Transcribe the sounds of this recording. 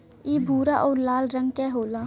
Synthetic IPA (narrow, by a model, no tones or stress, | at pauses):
iːbʱuːɾaʔɔːɾlaːlɾə̃ŋɡ̚kɛɦoːlaː